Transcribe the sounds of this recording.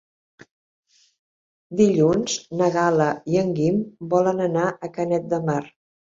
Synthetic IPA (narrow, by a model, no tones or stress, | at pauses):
d̪iʎunz̥nəɣaləiəŋɡimbɔlənənaʔəkənɛt̪̚d̪əmar